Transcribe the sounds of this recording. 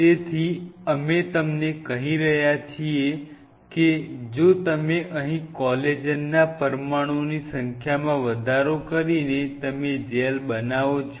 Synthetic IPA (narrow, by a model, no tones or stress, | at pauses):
t̪et̪ʰiəmet̪əmnekəɦiɾəɦjat͡ʃʰie | ked͡ʒot̪əmeʔəɦĩkɔled͡ʒənːapəɾmaɽ̃onisəŋkʰjamãʋəd̪ʱaɾokəɾinet̪əmed͡ʒelbənaʋot͡ʃʰ